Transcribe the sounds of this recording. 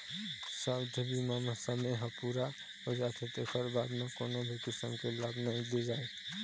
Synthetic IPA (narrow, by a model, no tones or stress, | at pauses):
sabd̪ʱəbimamesəmeɦə̃puɾa | ɔɾjaːt̪ʰet̪ekʰəɾbaːd̪mekoːnobʱikɪsəmkelaːbnaɦĩled͡ʒaːe